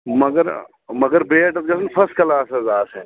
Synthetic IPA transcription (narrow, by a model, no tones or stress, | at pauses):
mɐɡəɾ | mɐɡəɾbeːʈɐt̪̚ɡɐsənpʰɐsʈ̚kɐlaːsɛzaːsɛ̃ː